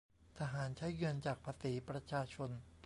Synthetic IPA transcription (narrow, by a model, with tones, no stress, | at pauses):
t̪ʰa˧ɦaː˩˦nt͡ɕʰa˦˥jɡɯ˧ənt͡ɕaː˨˩k̚pʰa˧siː˩˦pɾa˧t͡ɕʰaː˧t͡ɕʰo˧n